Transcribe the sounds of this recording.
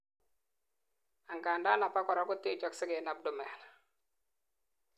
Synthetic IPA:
a˨ŋka˨nda˦na˨pa˦kɔ˨ɾɔ˦kʊ˦tɪ˦˨t͡ʃɔ˦ksɪ˦ɡɛ˨na˨b̚dʊ˨mɛ˨l

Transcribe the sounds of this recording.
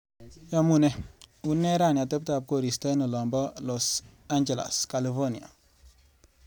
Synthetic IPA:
jamune˦u˦nːe˦ɾa˦˨na˨tə˦p̚ta˨b̚ko˨ɾi˨sta˦no˨lɔ˨mbɔ˦los | aɲd͡ʒe˨la̰˨skali˨fo˦ni˨a̰˨

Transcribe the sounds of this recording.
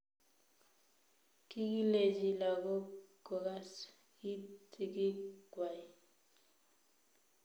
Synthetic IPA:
ki˦k̬i˦le˨d͡ʒi˨la˨k̬ɔ˦ɡ̥ɔ˨ka˦s | i˦tʰi˨k̬i˦ɡ̥ʱwa˨i˦

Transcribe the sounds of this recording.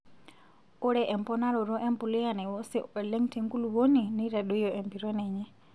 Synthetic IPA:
u˦ɺɛʔɛ˨mpɔna˦ɾɔ˨ɾɔ˦ʔɛ˦mpu˨li˦ja˨nɛ˨wɔ˦sɛ˦ɛ˨lɛ˦ŋtʰɛŋku˦luβo˦ni˨ni˦ɾa˨ɗu˦jɔʔɛ˨mbi˨ɾɔ˦nɛːɲɛ˦

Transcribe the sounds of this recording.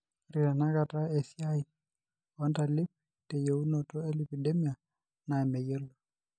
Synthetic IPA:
ɾi˨ɾa˨na˦ka˨ta˦e˨si˦a˦i˨ | ɔ˦nta˨li˦p̚ | te˨je˨u˦nɔ˨tɔ˦e˦li˨pi˨de˦mi˦a˨ | na˨e˨me˨je˦lo˨

